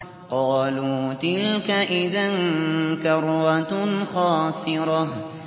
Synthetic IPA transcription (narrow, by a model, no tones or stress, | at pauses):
qɑːluːt̪ɪlkaʔɪðankɑɾˤwat̪xɑːsˤɨɾɑ